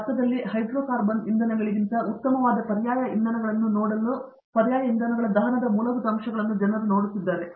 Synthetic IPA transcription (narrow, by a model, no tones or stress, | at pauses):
ɐt̪ːɐd̪ɐlːihɐjd̪ɾoːkaːɾbɐnind̪ɐnɐɡɐɭiɡint̪ɐut̪ːɐmɐʋaːd̪ɐpɐɾjaːjɐind̪ɐnɐɡɐɭɐnːunoːɽɐlːu | pɐɾjaːjɐind̪ɐnɐɡɐɭɐd̪ɐːɦɐnɐd̪ɐmuːlɐʋud̪ɐmʃɐɡɐɭɐnːud͡ʒɐnɐɾuno̞ːɽisid̪ːaːɾe